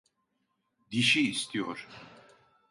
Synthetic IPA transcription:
d̪iʃiːst̪ʰijɔ̰ɾ

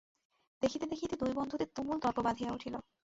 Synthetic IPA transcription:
d̪̥ekʰit̪ed̪ekʰit̪ed̪ojbɔnd̪ʱut̪et̪umult̪ɔɾpobad̪ʱijauʈʰilo

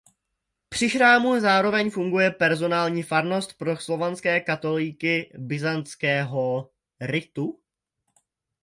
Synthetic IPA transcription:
pr̝̥ɪxɾaːmuzaːɾo̞vɛɲfuŋɡujɛpɛɾzo̞naːlɲiːfaɾno̞st̪̚pɾo̞slo̞vanskɛːkat̪o̞lɪkɪbɪzant͡skɛːɦo̞ | ɾɪt̪u

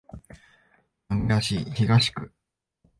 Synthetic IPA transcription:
aŋɡaɕiçiɡaɕi̥kɯ̟

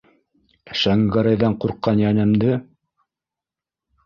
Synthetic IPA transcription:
ʃæŋɡɑɾɑjðɑɴquɾqːɑnjænɘ̆md̪ɘ

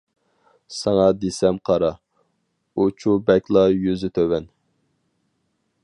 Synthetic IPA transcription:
sɑŋɑd̪esɛmqʰɑɾɑ | ut͡ʃʰubɛkʲlˠɑjyzyt̪ʰøwɛn

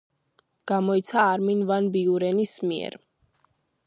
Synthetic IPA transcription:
ɡ̥amɔit̪sʰaːɾminvanbiuɾɛnismiɛ̰ɾ

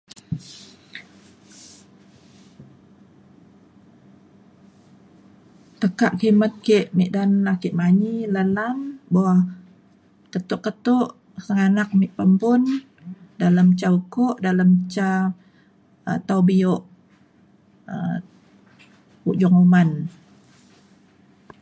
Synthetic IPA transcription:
t̪əkaʔkimət̪̚kiʔmiʔdanlahkiʔmaɲiləlamboa | kət̪ʊʔkət̪ʊʔ | səŋanak̚miʔpəmbʊn | daləmt͡ʃaukoʔdaləmt͡ʃa | ət̪awbioʔ | ə | uʔd͡ʒɔŋuman

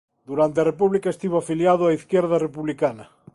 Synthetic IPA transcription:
d̪uɾant̪eɐrepuβlikaest̪iβoafiljaðʊaiθkjeɾðɐrepuβlikanɐ

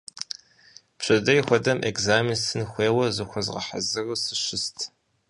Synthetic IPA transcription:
pɕɐdɐjixʷɔdɐmʔekzaːminsɨnxʷeːwɐzɨxʷɔzʁɐ̰ħa̰zɨrusɨʃɪstʰ

